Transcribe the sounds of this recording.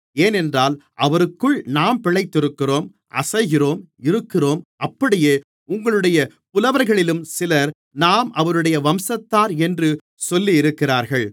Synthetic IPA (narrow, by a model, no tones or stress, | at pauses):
eːnɛndraːlʔɐʋɐɾɯkːɯɭnaːmpɪɭɐɪt̪ːɪɾɯkːɪroːm | ʔɐ̰sɐɪɣɪroːm | ɪɾɯkːɪroːmʔɐpːɐɽɪjeː | ʊŋɡɐɭɯɽɐjɐ | pʊlɐʋɐɾɣɐɭɪlɯmsɪlɐɾ | naːmʔɐʋɐɾɯɽɐjɐʋɐmsɐt̪ːaːɾɛndrɯ | sɔlːijɪɾɯkːɪraːɾɣɐɭ